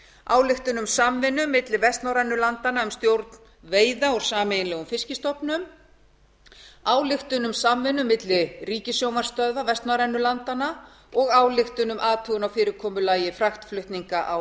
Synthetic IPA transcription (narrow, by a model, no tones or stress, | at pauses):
aːwlɪxt̪ʏnʏmsamvɪnːʏmːɪt̪lɪvɛst̪nawɾɛnːʏlant̪anaʏmst̪jowɾt̪n | veːjðaɔɾ̥saːmejnlɛːɣʏmfɪscɪst̪ɔpnʏm | aːwlɪxt̪ʏnʏmsamvɪnːʏmːɪt̪lɪriːcɪsjowmaɾ̥st̪œðvavɛst̪nawɾɛnːʏlant̪ana | ɔɣaːwlɪxt̪ʏnʏmʔaːt̪ʰʏɣʏnawfɪːɾɪɾkʰɔːmʏlaːjɪfɾaxt̪flʏht̪niŋkaʔaw